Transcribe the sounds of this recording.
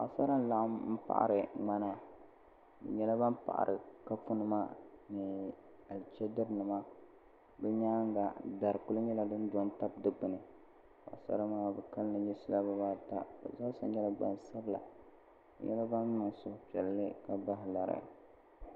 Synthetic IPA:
a̰˨sa˦ɾa˦n˦la˦ʔa˦mm̩˦pa̰˨ʔa̰˦˨ɾɨ˨ŋa˦na˦ | bɛ̰˨ɲɛ˦la˦ba˦mpa̰˨ʔa̰˨ɾʔɨ˨ka˦fu˦nɨ˦ma˦nɨ˨ | a˨lt͡ʃɛ˦dɨ˦ɾnɨ˨ma˦ | bɛ˦ɲaː˦ŋ˦ɡa˨da˨ɾɨ˨ku˦lɨ˦ɲɛ˦la˦dɨ˦n˦dɔ˨˦nta˦b̚dɨ˦k͡pɨ˨nɨ˨ | a̰˨sa̰˦ɾa˦maː˦˨bɛ˨ka˦lnɨ˨ɲɛ˦sɪ˦la˦bɨ˦baː˦ta̰˦bɨ̰˨za˦sa˦ɲɛ˦la˦ɡ͡ba̰˨nsa˦bɨ˦la̰˨ | bɨ̰˨ɲɛ̰˦la˦ba˦nmʊ˨ŋsʊ˦hpi˨ɛ˨lːɨ˦ka˨ba˦ɦɪ˨la˨ɾɨ̰˨˦

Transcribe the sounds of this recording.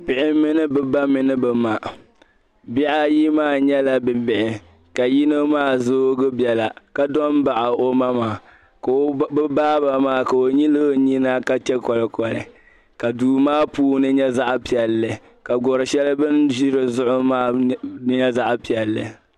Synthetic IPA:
pɪ˨ʔɪ˦mɨ˦nɨ˦bɨ˨ba˦mɨ˨nɨ˦bɨ˨ma˨ | bi˦ʔa˦ji˦maː˦˨ɲɛ˦la˨bɨ˨bɪ˨ʔɪ˨ | ka˨ji˦no˦maː˦˨zoː˦ɡɨ˦bjɛ˨la˨ka˦dɔ˦n˦ba˨ʔa˨o˦ma˦maː˨ | kbaː˦ba˨maː˦˨ka˨o˨ɲi˦lɨ˦ɲi˦na˦ka˦t͡ʃɛ˦kɔ˨lɨ˨kɔ˨lɨ̰˨ | ka˨duː˨maː˦puː˦nɨ˦ɲɛ˦za˦ʔpi˨ɛ˨lːɨ˨ | ka˨ɡɔ˨ɾɨ˨ʃɛ˦lɨ˦bɨ˦nʒi˦ɾɨ˨zʊ˦ʔʊ˦maː˦ɲɛ˦za˦ʔpi˨ɛ˨lːɨ̰˨

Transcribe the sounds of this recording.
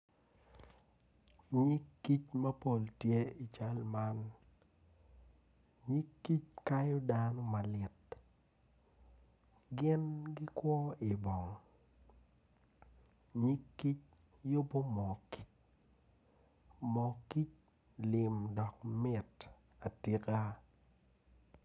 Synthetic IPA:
ɲi˦kːi˦t͡ʃmɐ˦po˦˨ltje˦i˨t͡ʃa˦lma˦n | ɲi˦kːi˦t͡ʃka˦jɔ˦danɔ˦ma˨lɪ˨t | ɡɪ˦nɡɪ˦kwɔ˦i˨bɔ˨ŋ | ɲi˦kːi˦t͡ʃ̚ | jo˦bo˦mɔ˨ki̥˦t͡ʃ̚ | mɔ˨ki˦t͡ʃ̚ | lɪ˨mdɔ˨k̚mɪ˨t | a˨ti˨ka˦

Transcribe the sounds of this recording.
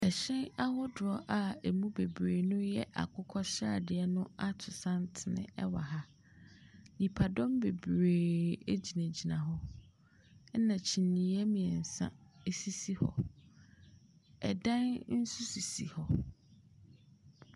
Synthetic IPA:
ɛ˨ɕɛ̃˦na˦ɦɔ˦dʊ˨ɔ˦ʔa˨e˨mũ˦be˨bɾe˨nʊ̃˦jɛ˦ʔa̰˨kʰʊ˦kʰɔ˦ɕa̰˨dɪ˨ɛ˦nʊ̃˦a˦tʰʊ˨sã˦n˦tʰɪ˨nɪ̰̃˨ɛ̰˦wa̰˨ɦa˦ | li˨pʰa˨dɔ̃˦mbe˨bɾeː˨e˦d͡ʑi˨næ̃˨d͡ʑi˨nã˨ɦɔ˦ | nã˨t͡ɕʰĩ˨nĩ˨ɛ˦mĩ˨ɛ̃˨n̩˨sã̰˦e˦si˦si˦hɔ̰˨ | ɛ̰˨dã˦nn̩˦su˦si˨si˨hɔ˨

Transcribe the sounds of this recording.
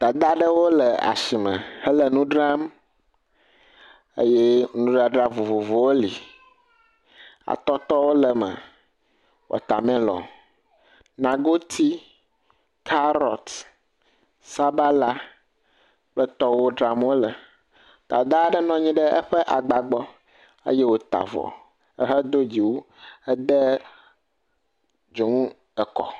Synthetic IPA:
d̪̥a˨d̪a˦ɖə˦wo˦lə˨a̰˨si˨mə̰̃˨hə˦lə˨nũ˦ɖɾa˦m | ḛ˦jɛ˦nũ˦ɖɾa˦ɖɾa˦vu˨vo˨vo˨wo˦li˨ | a̰˨t̪ɔ˦t̪ɔ˦wo˦lə˨mə̰˨ | wɔ̰˨t̪a˨mɛ̃˦lɔ̰̃˨ | nã˨ɡo˦t̪ʰi˦ | kʰa˦ɾɔ̰˨t̪ | sa˦ba˦la˦ | k͡pə˦t̪ɔ˦wo˦ɖɾa˨m˦wo˦lɛ˨ | t̪a˨d̪ɖɛ˦nɔ̃˦ɲĩ˦ɖɛ˦ə̰˦ɸɛ˦ʔa˨ɡ͡ba˨ɡ͡bɔ˦ | ə̰˦jɛ˦wo˦t̪a̰˨vɔ̰˨ | ə̰˦ɦɛ˦d̪o˦d͡ʑi˨wo˦ | ɛ˦d̪ɛ˦ | d͡ʒo˨ŋũ˦ | ɛ˨kɔ̰˨

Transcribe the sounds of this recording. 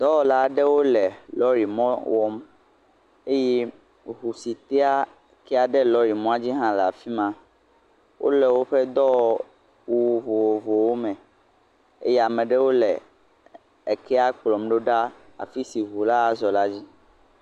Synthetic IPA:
d̪ɔ˦wɔ˨la˦ɖɛ˦wo˦lɛ˨lɔ˦ɾi˨mɔ̃˦wɔ˦m | e˦jɛ˦ | ɦu˨si˨t̪e˦a˦ | kɛ˦a˨ɖɛ˦lɔ˨˦ɾi˨mɔ̃˦a˦d͡ʑi˦ɦã˦lɛ˨a˨fi˦mã˦ | wʔo̰˦lɛ˨wo˦ɸɛ˦d̪ɔ˦w | wu˨vo˨wo˨vo˨wo˦mɛ̃˨ | ḛ˦jɛ˦a˨mɛ̃˨ɖɛ˦wo˦lɛ˨ | e˨kɛ˦a˦k͡plɔ˨mɖo˦ɖa˦a̰˨fi˦si˨ɦu˨la˦a˨zɔ˨la˦d͡ʑi˦

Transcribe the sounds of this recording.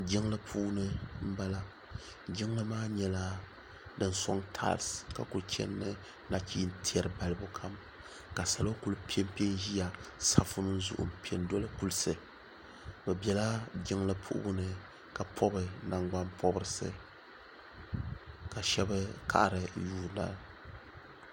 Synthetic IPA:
d͡ʒɪ˦ŋlɨ˦pʰuː˦nɨ˦m̩˦ba˦la˦ | d͡ʒɪ˦ŋ˦lɨ˦maː˦ɲɛ˦la˦ | dɨ˦nsɔ̰˦ŋtʰa̰ː˦lska̰˨ku˨ɾt͡ʃɛ̰˦nːɨ˦ | na˨kiː˦n̩˦tʰi˦ɛ˦ɾɨ˨ba˨lɨ˦bʊ˦kʰa˦m | ka˨sa˨lo˦ku˦lpi˦e˦mpe˦n˦ʒi˦ja˨sa˦fʊ˦nɨ˦n˦zṵ˨ʔʊ̰˨mpi˨e˨ndɔ˦lɨ˦ku˦lsɨ˨ | bɛ˨bɛ˨la˦d͡ʒɪ˦ŋlɨ˦pʰṵ˦ʔʊ̰˦bʊ˦nɨ˨ | ka˨pʰɔ˦bɨ˨na˨ŋɡ͡ba˦npʰɔ˦bɨ˦ɾɨ˨sɨ̰˦ | ka˨ʃɛ˦bɨ˦kʰa̰˨ʔɾɨ˨juː˦na̰˨l

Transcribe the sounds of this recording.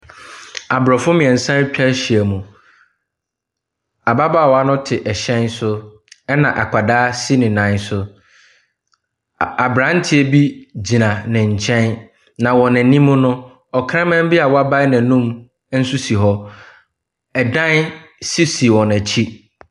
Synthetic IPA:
a˨bɾɔ˨fʊ˦mɪ̃˨ɛ˨n̩˨sã˦ɾt͡ɕᶣɛ˦ɕi˨æ˨mũ˨ | a˨ba˦baː˦˨wɔ˨a˦nʊ̃˦tʰɪ˨ʔɛ˨ɕɛ̃˦nsʊ˦ | ɛ˦nã˨ʔa˨kʰa˨daː˦si˦nɪ̃˨nã˨˦n˦sʊ˦ | a˨bɾã˨˦n̩˦tʰɪ˦e˨bi˦d͡ʑi˨nã˨nɪ̃˨ɲ̩˨t͡ɕʰɛ̃˦n | nã˨wɔ̃˨nɛ̃˨nĩ˦mːʊ̃˦nʊ̃˦ | ɔ˨kʰɾã˦mɛ̃˦m˦bi˦a˨wɔ˦a˦ba˦nã˨nũ˦m˦ | n̩˦su˦si˨ɦɔ˦ | ɛ˨dã˦nsi˦si˨wɔ̃˨næ˨t͡ɕʰi˦

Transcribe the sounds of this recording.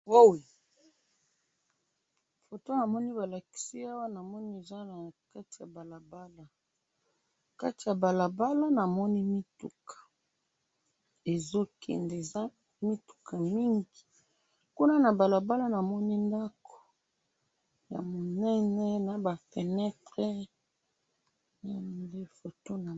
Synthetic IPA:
wo˦wi˨ | fo˨to˦na˨mɔ˦ni˦ba˨la˨ki̥˨si˦a˦wa˦na˨mɔ˦ni˦e˨za˦na˨ka˦ti˨ja˨ba˨la˨ba˦la˨ | ka˦ti˨ja˨ba˨la˨ba˦la˦na˨mɔ˦ni˦mi˦tu˨kʰḁ˨ | e˨zo˦kʰɛ̰˨nde˨za˦ | mi˦tu̥˨ka˨mi˦ŋɡi˨ | ku˦na˦na˨ba˨la˨ba˦la˦na˨mɔ˦ni˦nda˦ko̥˨ | ja̰˨mo˨nɛ˦nɛ˦na˨ba˨pɛ˨nɛ˦tʁɛ˦ | na˦nde˦fo˨to˦na˨

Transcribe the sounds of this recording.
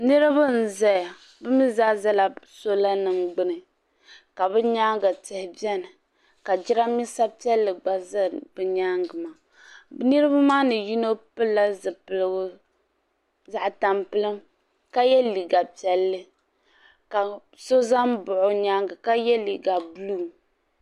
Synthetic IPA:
nɨ˦ɾɨ˦bɨ˦n̩˨zɛ˦ja˨ | bɨ˦mi˦zaː˦za˦la˨so˦la˦nɨ˨mɡ͡bɨ˦nɨ˨ | ka˨bɨ˦ɲa˦ŋɡa˨tɪ˨hɪ˨bjɛ˦nɨ˨ | ka˨d͡ʒi˦ɾa˦mi˦sa˦pɛ˦lːɨ˨ɡ͡ba˦zbɨ˨ɲaː˦ŋɡɨ˨maː˨ | bɨ˦nɨ˦ɾɨ˦ba˦maː˦nɨ˨ji˦no˦pɨ˦lːa˦zɨ˨pɨ˨lɨ˦ɡʊ˦ | za˦ʔta˨mpɨ˦lɨ˦m | ka˦jɛ˦li˨ɡa˨pi˦ɛ˦lːɨ˦ | ka˨ | so˦za˦m˦bʊ˨ʔʊ˦ɲaː˦ŋɡɨ˨ka˦jɛ˦li˨ɡa˨bluː˦˨

